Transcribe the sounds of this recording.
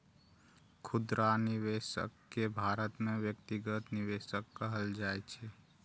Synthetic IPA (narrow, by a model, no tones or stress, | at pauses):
kʰud̪ɾaniʋeʃə̰kːebʱaɾət̪mẽʋjək̚t̪iɡət̪niʋeʃəkːəɦəld͡ʒaet͡ʃʰe